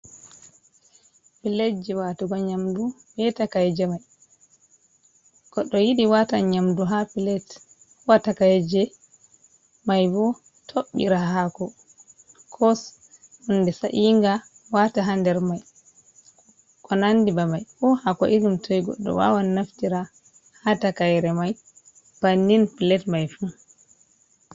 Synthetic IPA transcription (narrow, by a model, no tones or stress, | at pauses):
pilɛd͡ʒɛwatuɡɔɲamdu | bɛtakajɛd͡ʒɛmaj | kɔɗɔjiɗiwataɲamduɦapilɛt | watakajɛd͡ʒɛ | majbɔ | tʰoɓːḭɾaɦakɔ | kʰɔs | undɛsaʔiŋɡa | wataɦandɛɾmaj | kɔnandibamajfɔhakɔʔiɾumtʰɔjɡɔ̰ɗːɔ̰wa̰wanːaftiɾa | hatakajɾɛmaj | b̥anːinpilɛtmajfu